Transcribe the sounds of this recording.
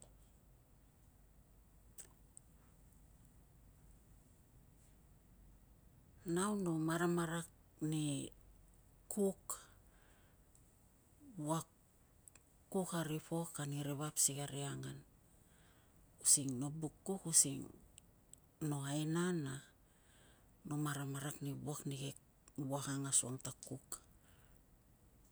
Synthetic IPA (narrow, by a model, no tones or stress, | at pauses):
nawnomaɾamaɾakni | kʰuk | wak | ukaɾipokaniɾeβapsiɡaɾiaŋan | usiŋno̞bukːukusiŋ | no̞aenana | no̞maɾamaɾaknibuakniɡe | buahaŋasuaŋtakuk